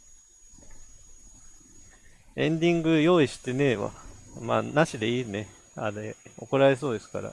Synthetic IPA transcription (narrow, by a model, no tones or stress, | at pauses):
ẽ̞nd̪ʲĩŋɡɯ̟jo̞ːiɕi̥t̪e̞ne̞βa̰ma̰ːnaɕid̪e̞iːne̞ | aɾeo̞̰ko̞ɾae̞s̬o̞ːd̪e̞sɨ̥ka̰ɾa̰